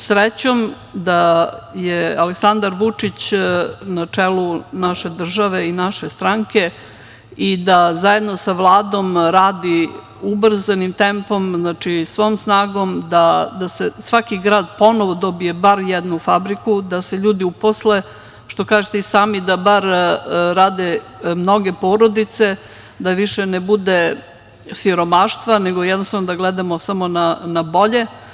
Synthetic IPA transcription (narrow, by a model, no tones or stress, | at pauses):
sɾet͡ɕom | d̪ajealeksand̪aɾʋut͡ʂit͡ɕnat͡ʂelunaʃe̞d̪r̩ʒaʋeinaʃe̞st̪ɾaŋke̞ | id̪azaje̞d̪no̞saʋlˠaːd̪o̞mɾaːd̪i | ubr̩zanimt̪e̞mpo̞mznaːt͡ʂisʋo̞ːmsnaːɡo̞md̪ad̪asesʋakiɡɾaːd̪po̞noʋod̪o̞bijebaɾjɛd̪nufabɾikud̪ase̞ʎuːd̪iuposle | ʃt̪o̞kaːʒet̪eisaːmid̪abaɾɾaːd̪e | mno̞ɡe̞po̞ːɾo̞d̪it̪se̞ | d̪aʋiʃenebud̪e | siɾo̞maʃt̪ʋaneɡojɛd̪nost̪aʋnod̪aɡlɛd̪amosamo̞nanabo̞ʎe̞